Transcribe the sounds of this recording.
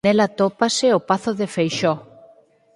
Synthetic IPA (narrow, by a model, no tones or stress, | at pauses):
elat̪opaseopaθoðefejʃɔ